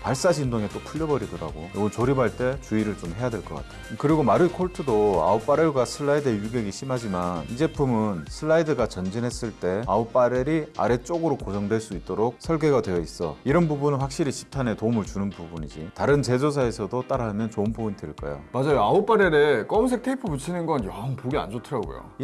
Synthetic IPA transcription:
paɭs͈aɕʰindoŋe̞t͈okʰuʎːʌbʌɾidʌɾa̰ɡojo̰ɡɯnt͡ɕoɾibaɭt͈e̞t͡ɕuiɾɯɭt͡ɕomɦe̞jadwe̞ɭk͈ʌk͈a̰tʰeokɯɾiɡomaɾɯkʰoɭtʰɯdoa̰up͈aɾeɭɡwasʰɯɭːaidɯejuɡe̞ɡiɕʰimɦad͡ʑimanid͡ʑe̞pumɯnsʰɯɭːaidɯɡat͡ɕʌnd͡ʑinɦe̞s͈ɯɭt͈e̞aup͈aɾeɾia̰ɾe̞t͡ɕ͈oɡɯɾokosʰʌŋdwe̞ɭs͈uit͈oɾok̚sʰʌɭɡe̞ɡadwe̞jʌis͈ʌ̰iɾʌnbubunɯnɸwak̚ɕ͈iɾiɕʰi̥p̚tʰane̞toumɯɭt͡ɕunɯnpubuɲid͡ʑitaɾɯnt͡ɕe̞d͡ʑos̬ʰae̞sʰʌdot͈aɾaamjʌnt͡ɕoɯnpobuɲitʰɯɭk͈ʌ̰jo̰mad͡ʑajoaup͈aɾeɾek͈ʌms̬ʰek̚tʰeipʰɯput͡ɕʰinɯnɡʌnʌŋpuɡia̰nd͡ʑotʰɯɾaɡo̰jo̰

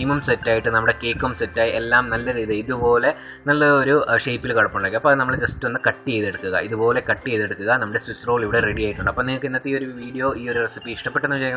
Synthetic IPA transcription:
imumsetːaːjiʈːɨnɐmːuɽe̞keːkːumsetːaːjielːaːmnɐlːɐɾiːðɐiðupo̞ːle̞ | nɐlːɐoɾuʂejpːilkɐɽɐpːuɳɖɐkiɐpːoːnɐmːɐɭd͡ʑɐstːuɐnːɨkɐʈːijejðeɽukːuɣɐ̰iðupo̞ːle̞kɐʈːijejðeɽukːuɣɐnɐmːuɽe̞sisroːɭiʋiɽereɽijaːjiʈːuɳɖɨɐpːoːniŋɐkːɨinːɐt̪ːio̞ɾuʋiːɽijo̞ːiːo̞ɾuresipːiːʂʈɐpːeʈːenːuʋt͡ɕej

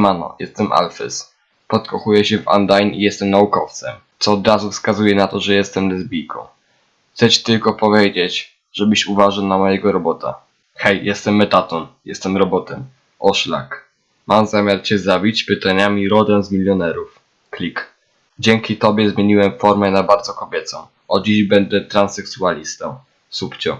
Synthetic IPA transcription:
manɔ̰jɛst̪ɛmʔa̰lfɛ̰s | pɔt̪kɔxujɛɕɛva̰nd̪ajnḭjɛst̪ɛmnaukɔft̪sɛ̰t̪sɔːd̪ɾazufskazujɛnat̪ɔʐɛjɛst̪ɛmlɛzbʲijkʰɔ̰̃w̃ | xt̪sɛt͡ɕɛ̥t̪ɘlkɔpɔvʲjed͡ʑet͡ɕ | ʐɛbɘɕuvaʐɨwnamɔjɛɡɔɾɔbɔt̪a̰ | xɛjjɛst̪ɛmːɛt̪at̪ɔnjɛst̪ɛmɾɔbɔt̪ɛm | ʔɔʂla̰k | mʔamzamʲjaɾt͡ɕɛzabʲit͡ɕpɘt̪aɲamʲiɾɔd̪ɛwzmʲilʲjɔnɛɾuf | klʲik | d͡ʑɛŋkʲit̪ɔbʲjɛzmʲjeɲiwɛmfɔɾmɛnabaɾd̪zɔkɔbʲjɛt̪sɔ̃w̃ | ɔd͡ʑiʑbɛnd̪ɛt̪ɾansɛksualʲist̪ɔw̃ | supt͡ɕɔ

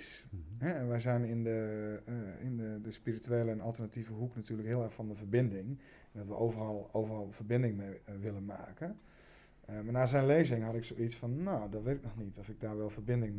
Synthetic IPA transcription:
s | ɦɛɛnʋɛjzɛjnɪndə | ɪnədəspirityeːləɛnɔlˠtərnativəɦuknatyːləkɦɪəlˠɛɹxfɔndəvərbɪndɪŋ | ɛndɔtʋəʔoːvərɑlˠowvərɑlˠvərbɪndɪŋmeʋɪlənma̰ːkən | maɹnaːzɛjnlejzɪŋɦɑtɪksowitsfɔnːoːdɔʋɪtɪk̚nɔxnitʰɔfɪɡ̚daːɹʋɛlˠvərbɪndɪŋ

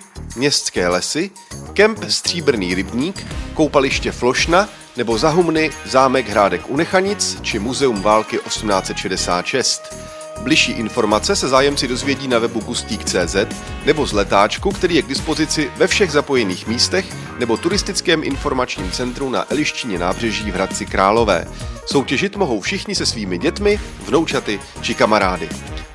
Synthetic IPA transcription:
mɲɛst̪t͡skɛːlɛsɪ | kɛmpst̪r̝̥iːbr̩niːɾɪbɲiːkːowpalɪʃcɛflo̞ʃna | nɛbo̞zaɦumnɪzaːmɛɡɦɾaːdɛkʔunɛxaɲɪt͡st͡ʃɪmuzɛumvaːlkɪʔo̞sumnaːt͡sɛt̪ʃɛdɛsa̰ːt̪ʃɛst̪ | blɪʃiːʔɪnfo̞ɾmat͡sɛsɛzaːjɛmt͡sɪdo̞zvjɛɟiːnavɛbuɡusc̪iːkt͡sɛːzɛt̪nɛbo̞zlɛt̪aːt͡ʃkukt̪ɛɾiːjɛɡ̚dɪspo̞zɪt͡sɪvɛfʃɛɣzapo̞jɛniːxmiːst̪ɛx | nɛbo̞t̪uɾɪst̪ɪt͡skɛːmʔɪ̰nfo̞ɾmat͡ʃɲiːmt͡sɛnt̪ɾuna̰ʔɛlɪʃcɪɲɛna̰ːbr̝ɛʒiːvɦɾat̪̚t͡sɪkɾaːlo̞vɛ̰ːso̞wcɛʒɪt̪mo̞ɦo̞wfʃɪxɲɪsɛsviːmɪɟɛt̪mɪ | vno̞wt͡ʃat̪ɪ | t͡ʃɪkamaɾaːdɪ̰

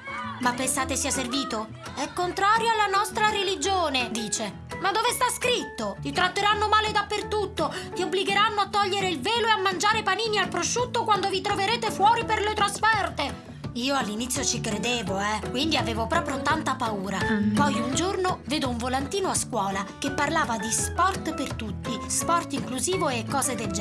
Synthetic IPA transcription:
mapːensaːt̪esiaserviːt̪o | ɛkːont̪ɾaːɾjoalːanɔst̪ɾaɾelid͡ʒoːned̪iːt͡ʃe | mad̪ːoːvest̪askɾit̪ːot̪it̪ɾat̪ːeɾanːomaːled̪apːert̪ut̪ːot̪iobliɡeɾanːoat̪ːɔʎːeɾeilveːloeamːand͡ʒaːɾepaniːnialpɾoʃːut̪ːokwand̪ovit̪ɾoveɾeːt̪efwɔːɾiperlet̪ɾosfɛrt̪e | iːoalːinit̪sːjot͡ʃikɾed̪eːvoɛkwind̪iaveːvopɾɔːpɾjot̪ant̪apauːɾapɔjund͡ʒornoveːd̪ouɱvolant̪iːnoaskwɔːlakepːarlaːvad̪ispɔrt̪pert̪ut̪ːispɔrt̪iŋkluziːvoekːɔːzed̪ed͡ʒɛ

